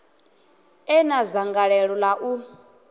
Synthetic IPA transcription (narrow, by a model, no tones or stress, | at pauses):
ɛnazaŋɡaɺɛɺɔlaʔu